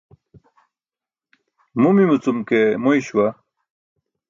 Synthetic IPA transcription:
mumimut͡sumkemojɕwa

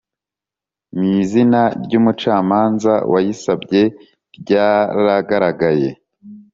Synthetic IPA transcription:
mizinaɾɟuːmut͡ʃaːmaːnza̰wʔajisabɟe̞ | ɾɟaːɾaɡaɾaɡaje̞

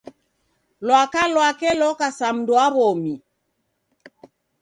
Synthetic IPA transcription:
lwakalwakɛlɔkasam̩doaβɔmi

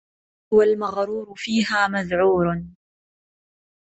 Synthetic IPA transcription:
walmaɣɾuːɾʊfiːɦaːmaðʕuːɾ

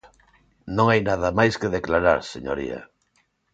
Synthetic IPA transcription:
nõŋajnað̞amajskeðeklaɾaɾseɲo̰ɾḭa̰

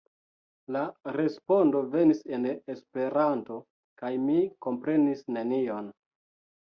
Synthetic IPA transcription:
laɾe̞spo̞ndo̞ve̞nise̞nespe̞ɾanto̞ | kajmiko̞mpɾe̞nisne̞nio̞n

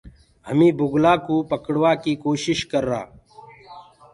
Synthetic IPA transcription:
həmĩːbʊɡlaːkoːpəkɽʋaːkiːkoːʃɪʃkəɾːa̰ː

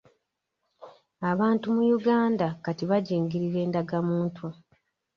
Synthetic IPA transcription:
aβaːntumujuɡaːndakatiβaɟeːŋɡiɾiɾe̞ːndaɡamuːntʰu

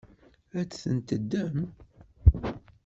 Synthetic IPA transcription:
æt͡sːθənt̪əd̪ːæm

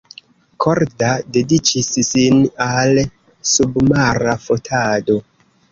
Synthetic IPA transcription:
kʰoɾdade̞dit͡ʃissinal | submaɾafotʰado̞

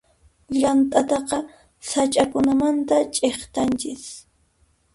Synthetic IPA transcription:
ʎant̪ʼat̪ɑqɑ | sat͡ʃʼakʊnamant̪at͡ʃʼeχt̪ant͡ʃɪs

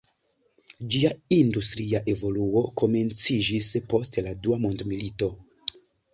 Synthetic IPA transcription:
d͡ʒiaindustɾiaʔe̞vo̞luo̞ko̞me̞nt͡sid͡ʒispo̞stladuamondmilito̞

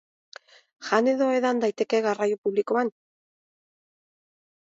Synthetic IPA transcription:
ʝane̞ðo̞eðand̪ajt̪e̞ke̞ɣarajupuβlikoan

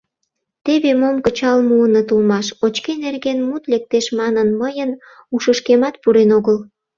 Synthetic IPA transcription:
t̪eβemomkət͡ɕɑlmuənət̪ulmɑʃot͡ɕkenerɣenmut̪lek̚t̪eʃmɑnənməjən | uʃəʃkemɑt̪̚puɾenoɣəl

